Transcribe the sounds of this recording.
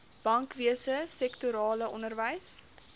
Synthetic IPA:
b̥ɐŋkviəsəsɛktuɾɑːləʔɔnərvəjs

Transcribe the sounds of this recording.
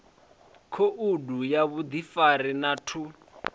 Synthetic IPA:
kʰoʔudujaβud̪ifarinatʰu

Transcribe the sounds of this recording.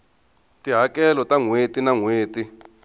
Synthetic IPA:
tiɦakɛlɔtaŋwetinaŋweːti

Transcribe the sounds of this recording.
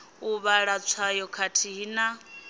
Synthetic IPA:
uβaɺat͡sʰwajɔkʰatʰiɦina

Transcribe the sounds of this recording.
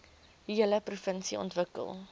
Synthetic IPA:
iələprufənsiɔ̰ntvəkə̰lˠ

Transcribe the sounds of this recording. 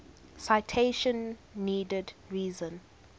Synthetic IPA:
saɪtʰeʃə̃nːiːdədɹiːzə̃n

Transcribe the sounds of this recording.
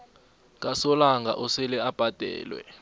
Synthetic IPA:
kʼasɔlaŋɡʱa̰ʔɔsɛlɛab̥ʱad̥ʱɛ̰ːlwɛ̰

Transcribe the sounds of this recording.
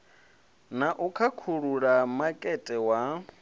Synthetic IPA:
naʔukʰakʰuɺuɺamakʼɛtʼɛwa

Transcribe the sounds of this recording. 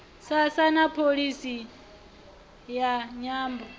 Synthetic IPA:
sasanapʰoɺisi | jaɲaːmbɔ

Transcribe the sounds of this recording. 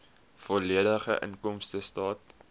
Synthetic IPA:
fɔliədəχəʔə̰nkɔmstəstɑːt̚

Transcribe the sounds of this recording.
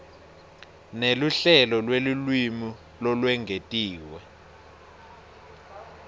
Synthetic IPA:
neluɬɛlɔlwelulwimi | lɔlwɛŋɡʱetʼiːwɛ

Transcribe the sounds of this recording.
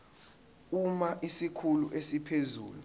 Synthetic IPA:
umaʔisikʰuluʔesipʰezuːlu

